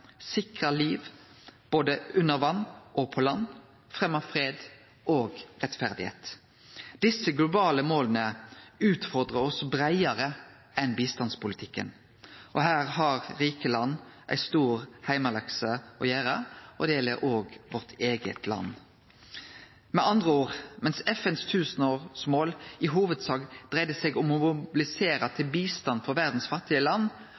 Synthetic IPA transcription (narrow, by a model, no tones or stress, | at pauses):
sɪkʁəliːʋ | b̥oːd̪əʉnːəɾʋɑnːʔoːɡ̚pʰɔlɑnː | fʁɛmɑʋfʁeːd̪ | ʔoːɡʁɛt̪fæʁd̪ɪhḛːt̪ | d̪̥ɪsːəɡlʊbɑːləmoːlənəʉːt̪fɔʁd̪ʁəɔsbʁæɪɑʁə | ɛnbiːst̪ɑnspʊlɪt̪ʰɪkːə̰n | ʔɔhæːʁɦɑʁɾiːkəlɑnːʔæ̰ɪst̪uːɾhæɪmɑlɑksəɔjæːɾɑʔɔd̪ɛjɛlːəɾʔoːɡʋɔʁt̪ʰeːɡə̰t̪ʰlɑ̰nː | mɛʔɑnd̪ʁəoːʁmɛnsɛfɛnst̪ʰʉːsənoːʁsmoːlɪɦuːʋəd̪sɑːɡd̪ʁæɪd̪əsɛɡɔmʊmʊbɪlɪseːɾɑt̪ʰɪlbiːst̪ɑnfɔɾʋæʁd̪n̩sfɑt̪ːɪəlɑnː